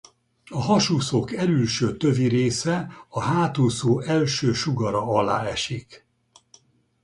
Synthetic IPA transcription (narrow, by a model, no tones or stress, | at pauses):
ɒɦɒʃuːsoːkɛlylʃøːt̪ø̞viɾeːsɛɒɦaːt̪uːsoːʔɛlʃøːʃuɡɒɾɒɒla̰ːɛʃik